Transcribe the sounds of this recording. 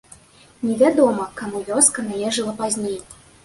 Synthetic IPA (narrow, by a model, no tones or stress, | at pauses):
nʲɛvʲad̪ɔmɐkamuvʲɔskɐnajɛʐɨlˠɐpazʲnʲej